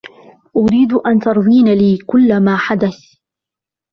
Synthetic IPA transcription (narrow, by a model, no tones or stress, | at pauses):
ʔʊɾiːd̪ʔant̪ɑɾˤðˤiːnaliːkʊlːamaːħad̪aθ